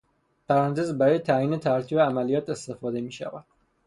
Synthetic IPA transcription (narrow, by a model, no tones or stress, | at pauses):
pʰæɾænt̪ʰezbæɾɒːjet̪ʰæjiːne̞t̪ʰæɾcʰiːbeæmælijɒːt̪e̞st̪e̞fɒːd̪e̞miːʃæ̰væd̪̥